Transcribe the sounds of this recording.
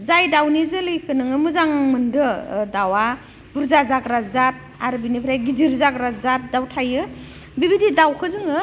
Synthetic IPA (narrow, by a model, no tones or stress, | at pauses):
zajdawnizɯlɯjkʰɯnɯŋɯmɯzaŋmɯndɯdawa | b̥uɾzazaɡɾazat̚ | aɾbinipʰɾajɡidiɾzakɾazat̚dawtʰajɯ | bibididawkʰɯzɯŋɯ